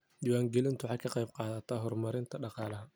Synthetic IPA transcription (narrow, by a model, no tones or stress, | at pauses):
d̪iːwaːŋɡɛlɪnt̪ʰwħɑːkʰɑqɑjb̚qɑːðɐt̪ʰaːɦɔrmɐɾɪnt̪ʰɐɖɑqɑːlɐɦɐ